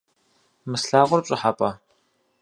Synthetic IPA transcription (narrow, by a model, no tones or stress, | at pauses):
mɨsɬaːʁʷʊrt͡ʃʷʼɪħapʼɐ